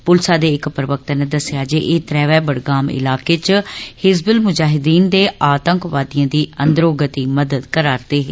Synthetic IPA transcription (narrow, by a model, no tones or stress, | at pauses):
pʊlsaːd̪eːɪkpəɾəʋək̚t̪ːnə̃d̪əsɪjaːd͡ʒeːʔeːt̪ɾɛːʋɛːbəɽɡaːmɪ̰laːkeːt͡ʃhɪzbəlmʊd͡ʒaːɦɪd̪iːnd̪eːaːt̪əŋkʋaːd̪ijãːd̪iːənd̪ɾoːɡət̪iːməd̪əd̪kəɾaːɾd̪eːɦe